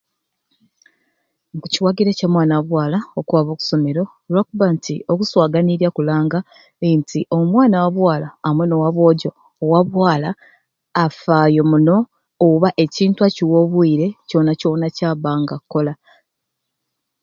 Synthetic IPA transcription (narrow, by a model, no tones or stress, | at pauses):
ŋkuciwaɡiɾecamwaːnawaβwaːlaokwaːβo̞ːku̥so̞me̞ɾo̞ | lwakuβantio̞kuswaːɡaniɾjakulaːŋɡa | entʰiʔo̞mwaːnawaβwaːlaːmweno̞waβwo̞ːɟo̞ː | waβwaːlaː | faːjo̞muno̞ː | βaʔe̞ciːntuwaciwo̞βwiːɾe̞co̞naco̞nacaβaːŋɡakːo̞la